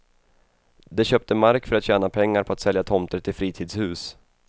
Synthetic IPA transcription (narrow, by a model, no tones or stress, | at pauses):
d̪ɛɕœːp̚t̪ʰəmaɾkfœɾat̪ɕɛːnapʰɛŋːaɾpʰɔat̪sɛljat̪ʰɔmt̪əɾt̪ʰːɪlfɾiːt̪ʰiːd̪shʉ̟ːs